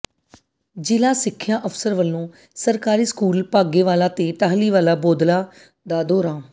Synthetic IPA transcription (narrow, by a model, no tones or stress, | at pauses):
d͡ʒɪlaːsɪkʰːjaːʔəfsəɾʋəlːõː | səɾkaːɾiːskuːlpaːɡeːʋaːlaːt̪eːʈ̪aːɦliːʋaːlaːboːd̪laː | d̪aːd̪oːɾãː